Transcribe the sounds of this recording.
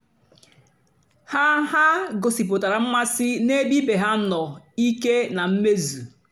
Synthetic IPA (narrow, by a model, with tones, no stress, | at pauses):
ha˦ha˦ɡo˨si˨p̬o˨ta˨ɾa˨m̩˦ma˦si˦ne˦bi˦be˨ɦa˦nɔ˨ | i˦ke˦na˨m̩˦me˦zu˨